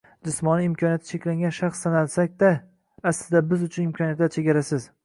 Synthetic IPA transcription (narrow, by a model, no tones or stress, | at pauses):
d͡ʒɪsmɒnɪɪmkʰɒnijat̪ʰɪt͡ʃʰe̞kʲlaŋɡʲanʃaχsːanalsakʲd̪a | asɪzd̪abɪzʊt͡ʃʰʊnɪmkʰɒnijat̪d̪at͡ʃʰe̞ɡʲaɾasɪz